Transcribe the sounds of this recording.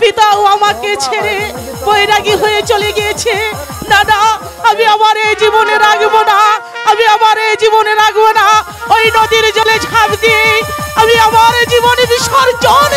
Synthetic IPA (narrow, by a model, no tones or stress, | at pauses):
pit̪awamaket͡ɕʰeɾe | boeɾaɡiɦoet͡ɕoleɡijet͡ɕʰe | nana | amiamaɾed͡ʑiboneɾakbona | amiamaɾed͡ʑiboneɾakbona | ojnod̪iɾd͡ʑoled͡ʑʱabd̪ijejamiamaɾd͡ʑibonbiʃoɾd͡ʑon